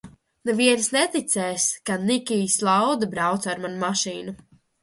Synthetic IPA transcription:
nɛviɛnsnɛt̪it̪sɛːskanikʲiːslˠawd̪abɾawt̪saaɾmanmaʃiːnu

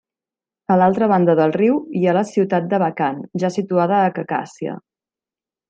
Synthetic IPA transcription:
əlalˠt̪ɾəβ̞and̪əðəlˠriwialəsiwt̪at̪̚d̪əβəkanʒasit̪uaðəːkəka̰siə̰

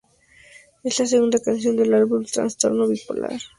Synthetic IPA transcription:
eslaseɣund̪akansjo̞nd̪e̞laɾβult̪ɾa̰nst̪o̞ɾnoβipo̰la̰ɾ

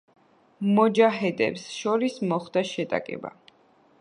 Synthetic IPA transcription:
mɔd͡ʒaɦɛd̪ʼɛ̰psʃɔɾismɔχd̪aʃɛt̪ʼa̰kʼɛ̰ba̰

